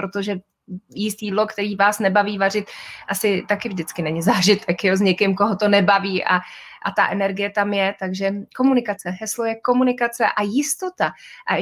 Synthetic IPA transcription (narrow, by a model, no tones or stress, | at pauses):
ɾot̪oʒɛ | jɪst̪iːdlo̞kt̪ɛɾiːvaːsnɛbaviːvar̝ɪt̪ʔasɪt̪akɪvʒdɪt͡skɪnɛɲɪzaːʒɪt̪ʰɛkjozɲɛkɪmko̞ɦot̪o̞nɛbaviːʔa̰ʔa̰t̪aʔɛnɛɾɡɪjɛt̪amjɛt̪aɡʒɛko̞munɪkat͡sɛɦɛslo̞jɛko̞munɪkat͡sɛʔajɪst̪o̞t̪aʔa